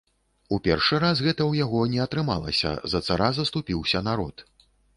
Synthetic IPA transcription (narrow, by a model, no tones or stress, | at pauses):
upʲɛrʂɨɾasɣɛt̪ɐwjaɣɔnʲɛɐt̪ɾɨmalˠɐ̰sʲɐ̰zɐt̪saɾazɐst̪upʲiwsʲɐnaɾɔt̪